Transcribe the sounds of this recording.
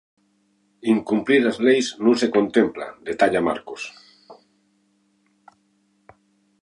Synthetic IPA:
iŋkumpliɾazlejznũnse̞kõ̞nt̪empla̰d̪et̪aʎama̰ɾkos

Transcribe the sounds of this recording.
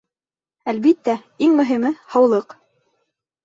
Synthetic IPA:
ælβit̪ːæ | iŋmɵ̆ɦimɘhɑwlˠɤq

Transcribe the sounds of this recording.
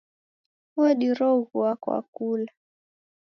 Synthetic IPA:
ɔɗiɾɔɣuwakwa̰kula

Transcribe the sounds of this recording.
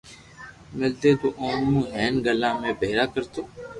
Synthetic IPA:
mɪld̪et̪oʔoːnmũːɦɛːnɡəlãːmẽbeːɾakəɾt̪oː

